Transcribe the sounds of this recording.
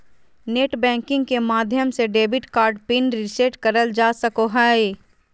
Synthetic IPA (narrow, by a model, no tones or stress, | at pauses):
neːʈbɛ̃ːŋkɪ̃ŋɡkemaːd̪ʱjəmseɖeːbɪʈkaːɾɖpɪnɾɪseʈkɐɾəld͡ʒaːsɐkoɦaːe